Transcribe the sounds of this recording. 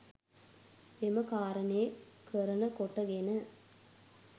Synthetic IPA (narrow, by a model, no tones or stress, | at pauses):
emɐkaːɾɐneːkəɾɐnɐkoʈːɐɡenɐ